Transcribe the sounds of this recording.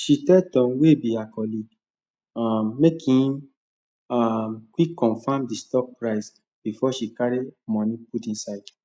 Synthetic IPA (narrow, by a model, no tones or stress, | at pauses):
ʃitɛtɔ̃nwebiakɔliɡ | amːekʰĩm | amkʷikːɔ̃nfãmdistɔk̚pɹaɪs | b̥ifɔʃikaɾimɔ̃nĩputĩnsaɪd